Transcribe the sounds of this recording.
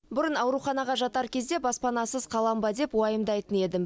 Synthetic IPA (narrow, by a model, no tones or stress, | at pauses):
bʊɾənɑwɾuχɑnɑʁɑʒɑt̪ɑɾkʲʰe̞zd̪e̞bɑspɑnɑsəz̥qʰɑlˠɑmbɑd̪e̞pwɑjəmd̪ɑjt̪əne̞d̪ɪm